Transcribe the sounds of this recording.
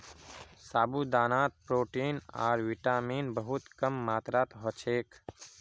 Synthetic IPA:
saːbuːd̪aːnaːt̪̚pɾoːʈiːna̰ːɾʋiʈaːmiːnbəɦʊt̪kəmːaːt̪ɾaːt̪ɦɔt͡ʃʰeːk

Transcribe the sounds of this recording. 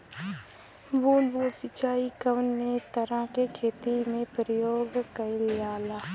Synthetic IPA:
boːlboːlsɪt͡ʃaːikəʋnːet̪əɾə̃kekʰeːt̪imẽpəɾəjoːɡkɐɪljaːlaː

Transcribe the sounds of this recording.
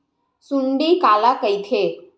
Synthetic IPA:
suɳɖikalakəjt̪ʰe

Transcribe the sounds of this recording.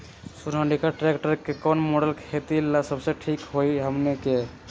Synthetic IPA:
suɾaɳɖikaʈɾekʈəɾkekɔnmoɽəlkʰet̪ilasəbseʈʰikɦojɦəmneke

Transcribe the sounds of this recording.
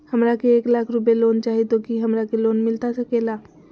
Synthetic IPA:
hɐmɾakeeːklaːkʰɾʊp̬eloːnt͡ʃaːɦit̪okiɦɐmɾakeloːnmɪlt̪asɐkeːlaː

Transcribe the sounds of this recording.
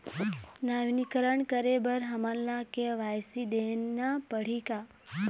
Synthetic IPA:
naʋnikəɾəɳkəɾebəɾɦəmanlakeʋajsid̪enːapəɽ̤ika

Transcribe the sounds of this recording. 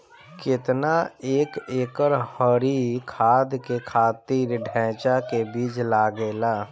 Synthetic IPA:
kɪt̪naeːkeːkəɾhɔɾikʰaːd̪kekʰaːt̪iːɾɖʱɛ̃ːt͡ʃakebiːd͡ʒlaːɡeːlaː

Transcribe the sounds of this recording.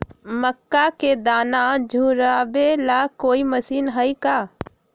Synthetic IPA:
məkːaked̪aːnad͡ʒʱuːɾabelakoːimɐsiːnɦəikaː

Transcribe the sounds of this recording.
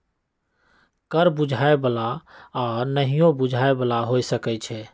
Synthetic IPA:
kəɾbud͡ʒʱaebəlaɔnəɦijõbud͡ʒʱaebəlaɦojsəkɛt͡ʃʰɛ

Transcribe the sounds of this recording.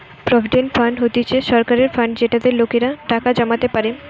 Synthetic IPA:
pɾɔbʱiɖenfaɳɖɦot̪it͡ɕʰeʃɔɾkaɾeɾfaɳɖd͡ʑeʈad̪eɾlokeɾaʈakad͡ʑamat̪epaɾe

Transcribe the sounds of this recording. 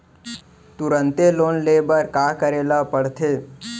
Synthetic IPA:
t̪ʊɾə̃nt̪eloːnleːbəɾkaːkəɾeːlapəɽ̤t̪ʰeː

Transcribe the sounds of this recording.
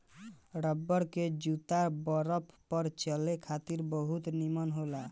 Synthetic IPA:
ɾəbːəɽked͡ʒut̪abəɾəppːəɾt͡ʃəlekʰat̪iɾbəɦut̪nimənɦola

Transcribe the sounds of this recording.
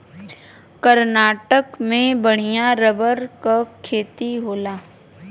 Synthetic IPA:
kəɾnaːʈəkmẽbəɽ̤̃ijaɾəbəɾkakʰeːt̪iɦoːlaː

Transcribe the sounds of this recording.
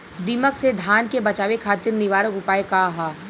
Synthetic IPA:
d̪iməksed̪ʱaːnkebɐt͡ʃaːʋekʰaːt̪ɪɾnɪʋaːɾəkʊpaːekaɦaː

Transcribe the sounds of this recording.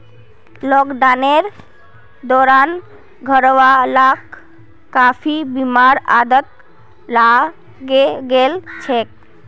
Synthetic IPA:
lɔɡd̪aneɾ | d̪ɔɾan | ɡʱɔɾwalak | kːapʰibimaɾad̪ət̪̚ | la | ɡɡelt͡ʃʰek̚

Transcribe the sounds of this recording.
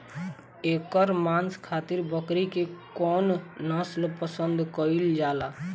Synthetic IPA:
ekəɾmanskʰat̪iɾbəkɾikekɔnːəslpəsənd̪ʱkəild͡ʒala

